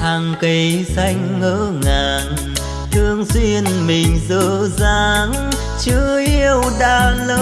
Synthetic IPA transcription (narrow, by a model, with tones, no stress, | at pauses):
haː˨˩ŋki˨˦jsa˧jŋ̟ːəː˧˥ŋaː˨˩n | t̪ʰɨ˧əŋswi˧ənmï˨˩ŋ̟zəː˧˦zaː˧˦ŋ | t͡ɕɨ˧˥˦ʔi˧əwɗaː˧˩ləː˧˦